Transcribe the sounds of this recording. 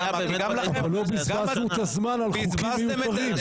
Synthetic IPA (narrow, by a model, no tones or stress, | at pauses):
avalːobizazut̪azmanalukimejut̪aʁim